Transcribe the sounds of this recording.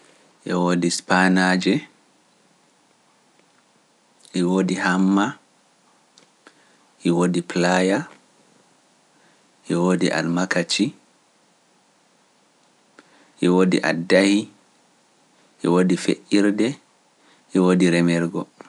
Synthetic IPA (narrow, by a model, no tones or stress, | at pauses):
ʔɛwodispanad͡ʒɛ | ʔɛwoːdihamːa | ʔɛwoːdiplaja | ʔɛwoːdiʔa̰lmakat͡ʃi | ʔɛwodḭʔa̰dːahi | ʔɛwodifḛʔiɾdɛ | ʔɛwoːdiɾɛmɛɾɡɔ